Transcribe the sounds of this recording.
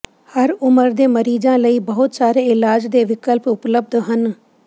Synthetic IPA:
həɾʊməɾd̪eːməɾiːd͡ʒãːləiːbəɦʊt̪saːɾeːɪlaːd͡ʒd̪eːʋɪkəlpʊpləb̚d̪ɦən

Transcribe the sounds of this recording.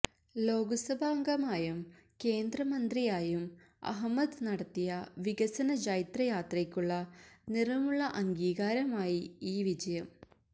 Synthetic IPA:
lo̞ːɡɐsɐbʱaːŋɡɐmaːjum | ke̞ːnd̪rɐmɐnd̪rijaːjum | ɐ̰ɦɐmːɐd̪nɐɽɐt̪ːijɐʋiɡɐsɐnɐd͡ʑɐjit̪rɐjaːt̪rɐkʲːuɭːɐnirɐmuɭːɐʔɐŋɡiːɣaːɾɐmaːjiiːʋid͡ʑɐjɐm

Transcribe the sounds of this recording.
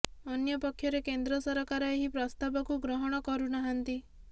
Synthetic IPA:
ɔnjɔpɔkʰːjɔɾekend̪ɾɔsɔɾɔkaɾɔeɦipɾɔst̪abɔkuɡɾɔɦɔɽ̃ɔkɔɾunaɦant̪i

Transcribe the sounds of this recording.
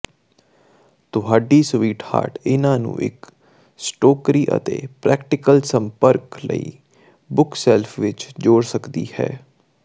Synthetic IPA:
t̪ʊɦaːɖiːsʋiːʈha̰ːɾʈɪnãːnṵ̃ːʔɪ̰k | sʈoːkɾiːʔə̰t̪ḛːpɾɛːkʈɪkəlsəmpəɾklə̰ḭː | bʊksɛːlpʰʋɪt͡ʃd͡ʒoːɽsəkd̪ḭːhɛ̰ː

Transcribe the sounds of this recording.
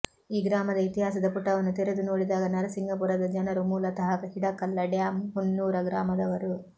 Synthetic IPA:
iːɡɾaːmɐd̪ɐit̪iɦaːsɐd̪ɐpuʈːɐʋɐnːut̪ɛɾed̪unoːɽid̪aːɡɐnɐɾɐsiŋɡɐp̬uːɾɐd̪ɐd͡ʒɐnɐɾumuːlɐt̪ɐɦɐkɐɦiɽɐkːɐlːɐɖjaːmɦunːuːɾɐɡɾaːmɐd̪ɐʋɐɾu

